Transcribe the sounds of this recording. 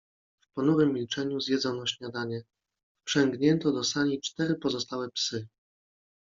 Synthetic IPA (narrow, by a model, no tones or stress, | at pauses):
fpɔnuɾɘmːʲilt͡ʂɛɲuzʲjɛd̪zɔnɔɕɲad̪aɲɛ | pʂɛŋɡɲɛnt̪ɔd̪ɔsaɲʲit͡ʂt̪ɛɾɘpɔzɔst̪awɛpsɘ